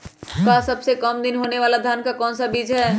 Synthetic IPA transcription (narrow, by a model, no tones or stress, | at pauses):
kasəbsekəmd̪ɪnɦoːneʋaːlad̪ʱjaːnkakɔːnsabiːd͡ʒɦɛː